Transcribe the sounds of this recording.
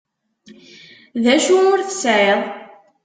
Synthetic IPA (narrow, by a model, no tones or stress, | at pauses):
ðæʃuʊɾθə̥sʕeðˤ